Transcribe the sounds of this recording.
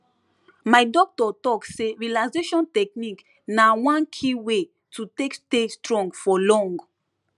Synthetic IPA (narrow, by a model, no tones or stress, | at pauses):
majdɔk̚tɔtɔkseɹilazeʃɔ̃ntɛk̚nik | nawãnkʰiwe | tutekstestɹɔ̃ŋɡfɔlɔ̃ŋɡ